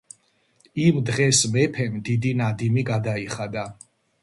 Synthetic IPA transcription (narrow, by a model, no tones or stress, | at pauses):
imd̪ʁɛsmɛpʰɛmd̪id̪inad̪imiɡad̪aiχad̪a